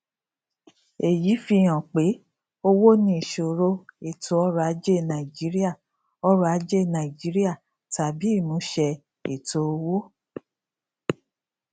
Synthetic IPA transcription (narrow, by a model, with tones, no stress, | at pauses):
e˨ji˨˦fi˧˨j̃ã˨k͡pe˨˦ | o˦wo˦nĩ˧i˨ʃo˨ɾo˦e˨tʰo˨˦ɔ˦ɾa˨˧˦d͡ʒe˦˨nã˨i˨d͡ʒi˨˦ɾi˦a˦˨ | ɔ˦ɾɔ˦a˨˧˦d͡ʒe˦˨nã˨i˨d͡ʒi˨˦ɾi˦a˦˨ | ta˨bi˨˦i˦˨nũ˨˦ʃɛ˧ | e˨to˨˦o˧wo˦